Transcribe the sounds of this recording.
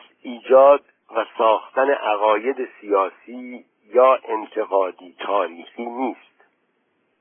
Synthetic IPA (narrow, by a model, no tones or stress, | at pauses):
iːd͡ʒɒːd̪̚ | væsɒːxt̪æne̞ʔæɣɒːje̞d̪e̞sijɒːsiː | jɒːʔe̞nt̪ʰe̞ɣɒːd̪iːt̪ʰɒːɾiːxiːniːst̪